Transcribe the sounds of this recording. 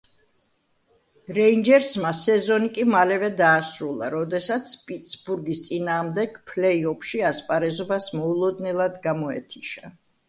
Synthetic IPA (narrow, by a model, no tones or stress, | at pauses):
ɾɛind͡ʒɛɾsmasɛzɔnikʼimalɛvɛd̪aːsɾulˠa̰ɾɔd̪ɛsat̪sʰpʼit̪sbuɾɡist̪sʼinaːʁmd̪ɛɡ̥pʰlɛiɔpʰʃiaspʼaɾɛzɔbasmɔulˠɔd̪nɛlˠad̪ɡamɔɛ̰t̪ʰiʃa